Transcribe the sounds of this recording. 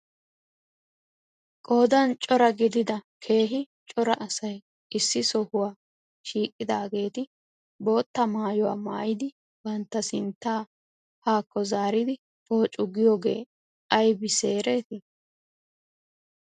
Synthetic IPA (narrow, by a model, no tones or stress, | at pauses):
kʼoːd̪ɐnt͡ʃʼɔɾɐɡɪd̪ɪd̪ɐkʰe̞ːɦɪ | t͡ʃʼɔɾɐʔɐsɐj | ʔɪsːɪsɔhʊwaː | ʃiːkʼːɪd̪aːɡe̞ːt̪ɪ | bo̞ːt̪ːɐmaːjɔwa̰ːma̰ːjɪd̪ɪ | bɐnt̪ːɐsɪnt̪ːaː | haːkːɔzaːɾɪd̪ɪ | po̞ːt͡ʃʼʊɡɪjoːɡe̞̰ː | ɐjbɪse̞ːɾe̞ːt̪ɪ